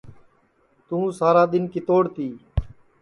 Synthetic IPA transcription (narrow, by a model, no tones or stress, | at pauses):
t̪ũːsaːɾaːd̪ɪnkiːt̪oːɽt̪iː